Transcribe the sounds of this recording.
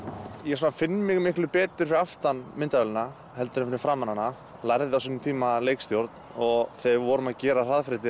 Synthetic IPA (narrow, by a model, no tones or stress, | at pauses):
jɛs̬unafɪnːɪmɪɣmɪhklʏpɛːt̪ʏ̥fɪɾaft̪anmɪnt̪aɛlɪna | hɛlt̪ʏɾfɪnːɪɾfɾaːmananːa | lajɾðɪawsinʏmt̪ʰiːmaleːjkst̪jowɾt̪nɔɣθeɣvɔːɾʏmaðcɛːɾar̥aðfɾɪt̪̬ɪ